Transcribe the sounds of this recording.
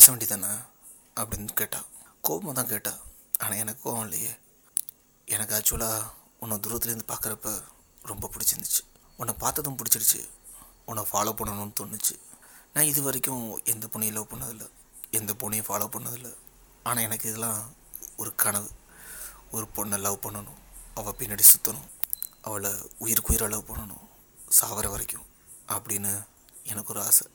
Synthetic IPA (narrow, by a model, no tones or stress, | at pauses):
ɐsɐ̃ʋeːɳɖɪt̪ːaːnːaː | ɐpːɐɽɪnkeːʈːã̰ːkoːʋɐmaːt̪ãːkeːʈːãː | aːnãːɛnɐkːõɐʋɐ̃lɐ̰jeː | ɛnɐkːɯɐt͡ʃːɯlaː | ɔnːɐd̪ʊɾʋɐt̪ːɪlɐɾnd̪ɯpaːɾkɾɐpːɐ | ɾɔmbɐpʊɽɪt͡ʃːɐnd̪ɯt͡ʃːɯ̥ɔnːɐpaːɾt̪ɐðʊ̃p̬ʊɽɪt͡ʃːɪɽɯt͡ʃːɯ̰ | ɔnːɐfaːloːpːɐɳːɐnʊ̃nːɯt̪ɔɳːɯt͡ʃːɯ̰ | nãːɪðɯʋɐɾɛkːʊ̃ɛnd̪ɐpɔɳːɪjɪlɐʋpɐɳːɐðɪlːɐ | ɛnd̪ɐpɔɳːɪjʊ̃faːlɐːpɐɳːɐðɪlːɐ | aːnãːɛnɐkːɯɪðɛlːãː | ɔɾɯkɐɳɐʋɯ | ɔɾɯpɔɳːɐlɐʋpɐɳːɐnʊ̃ɐʋɐpɪnːɐɽisʊt̪ːɐnʊ̃ʔɐʋɐɭɐʊjɪɾkujɪɾɐɭɐʋpɐɳːɐnʊ̰̃ | saːʋɐɾɐʋɐɾɪkːʊ̃ | ʔɐpːɐɽɪjnːɯ | ɛnɐkːɔɾɯaːsɐ